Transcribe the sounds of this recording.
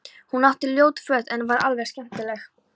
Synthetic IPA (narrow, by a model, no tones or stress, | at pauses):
hunaht̪ɪljoːwt̪fœːt̪ɛnvaɾa̰lvɛɾscɛm̥t̪ɪlɛx